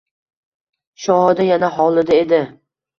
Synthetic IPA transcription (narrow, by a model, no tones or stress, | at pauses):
ʃɒhɒd̪ajanaɦɒlˠɪd̪ae̞d̪ɪ